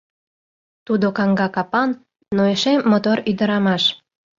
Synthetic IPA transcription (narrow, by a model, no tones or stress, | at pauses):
t̪ud̪okɑŋɡɑkɑpɑnː | oeʃemːot̪oɾyd̪ə̆ɾɑmɑʃ